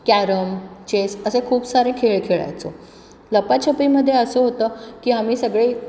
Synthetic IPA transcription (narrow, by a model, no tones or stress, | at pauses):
kæɾəmt͡ɕesəsekʰuːbsaɾẽkʰeɭkʰeɭa̰jt͡so̰ | ləpat͡ɕʰəpiːməd̪ʱːjeəsəːɦot̪əːkiːamiːsəɡɭiː